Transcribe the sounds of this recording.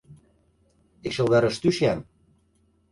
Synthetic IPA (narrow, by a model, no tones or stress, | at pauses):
ekʃɤ̆ld̪ɑɾɤ̆ʃt̪yʃæm